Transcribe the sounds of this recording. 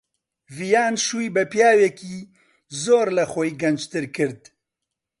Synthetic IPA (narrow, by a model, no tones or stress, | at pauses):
vijaːnʃuːjbɛpjaːwɛkiː | zoːɾlɐxɔjɡɐnd͡ʒt̪ɨɾkɨɾd̪̚